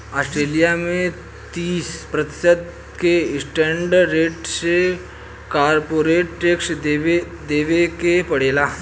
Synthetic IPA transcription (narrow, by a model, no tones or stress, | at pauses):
asʈɾelijamẽ | t̪iːspɾət̪i̥səd̪ | keisʈeɳɖːeʈse | kaɾpoɾeʈːeksee | d̪eʋekepəɽela